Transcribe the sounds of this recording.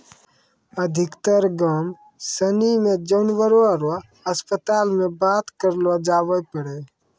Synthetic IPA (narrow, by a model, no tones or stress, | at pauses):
əd̪ʱɪkt̪əɾɡam | sənimẽd͡ʒəʊnʋəɾoaɾa | əspət̪aːlmẽbaːt̪kəɾlad͡ʒaːʋəjpəɽe